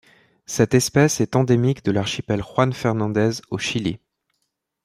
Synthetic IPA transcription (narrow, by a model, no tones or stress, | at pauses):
sɛt̪ɛspɛsɛt̪ɑ̃d̪emikd̪əlaʁʃipɛlʁwanfɛʁnɑ̃d̪ɛzoʃilḭ